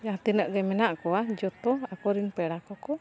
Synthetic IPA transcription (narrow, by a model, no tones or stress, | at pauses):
jat̪inəʔɡɛmɛnaʔkɔad͡ʒɔt̪ɔakɔɾinpɛɽakɔkɔ